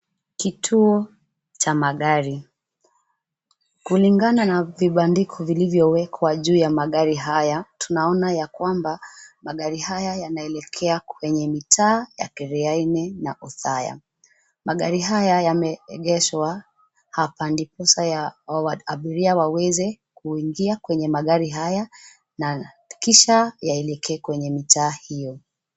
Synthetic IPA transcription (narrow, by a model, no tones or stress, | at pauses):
kitʰuɔ | t͡ʃamaɠaɾi | kuliŋɡananaviɓandikʰɔvilivjɔwɛkʰwaʄuːjamaɠaɾiɦajatʰunaɔnajakwambamaɠaɾihajajanaɛlɛkʰɛakwɛɲɛmitʰaːja̰kɛɾɛainɛnaʔuθaja̰ | maɠaɾiɦajajamɛɛɠɛʃwa | hapandipɔsaaaɓiɾiawawɛzɛ | kuiŋɡiakwɛɲɛmaɠaɾiɦaja | na | kiʃajaɛlɛkʰɛːkwɛɲɛmitʰaːhijɔ